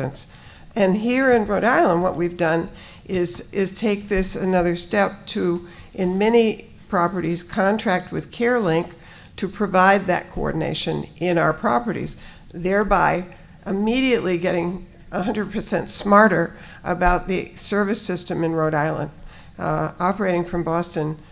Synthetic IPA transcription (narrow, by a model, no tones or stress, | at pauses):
ɨ̰̃ns | ɨ̃nɦiɹɨ̃nɹoʊɾaɪlˠə̃nd̚wʌ̰ʔwivdʌ̃n | ʔɪzʔɪz̥tʰeɪk̚ðɪsɨnʌðə˞stɛp̚tʰɨʔɨ̃nmɛñi | pʰɹ̥ɑpə˞ɾiz̥kʰɑ̃ntʰɹ̥æk̚t̚wɨð̥kʰɛɹlɪ̃ŋk | tʰɨpʰɹ̥ɨvaɪd̪̚ðɨ̰t̚kʰoɔ̰ɹdⁿn̩ḛɪʃɨ̃nɪ̃ñaʊə˞pʰɹ̥ɑ̰pə˞ɾḭz | ðɛɹbaɪ | ʔɨmiɾiɨʔˡliɡɛɾɪ̃ŋ | ʔəhʌ̃ndɹəd̚pʰə˞sɛ̰̃ntsmɑɹɾə˞ | ʔə̰baʊt̪̚ðɨsɜ˞vɨsɪstɨ̃mɨ̃nɹoʊɾaɪlˠə̰̃nd̥ | ɑpə˞eɪɾɪ̃ŋfɹʌ̃mbɔstɨ̃n